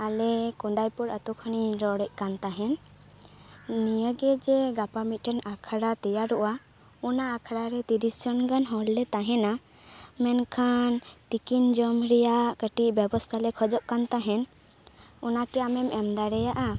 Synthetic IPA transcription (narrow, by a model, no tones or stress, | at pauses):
alɛkɔnd̪ajpuɾat̪ukʰəniɾɔɽɛc̚ˀkant̪aɦɛn | nijəɡɛd͡ʒɛɡapamit̪̚ˀʈɛnakʰaɽat̪ɛjaɾuʔa | ɔnaːkʰaɽaɾɛt̪iɾisd͡ʒɔnkanɦɔllɛt̪aɦɛna | mɛnkʰant̪ikind͡ʒɔmɾɛjakəʈiʔbɛbɔst̪ʰalɛkʰɔd͡ʒɔʔkant̪aɦɛn | ɔnakɛamɛmɛmd̪aɽɛjaʔa